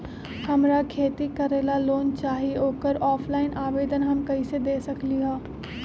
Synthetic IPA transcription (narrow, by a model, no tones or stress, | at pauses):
hɐmɾakʰeːt̪ikɐɾeːlaloːnt͡ʃaːɦioːkəɾɔːpʰlaːɪnaːʋeːd̪ənɦɐmkɐised̪eːsɐkliɦɛ̃ː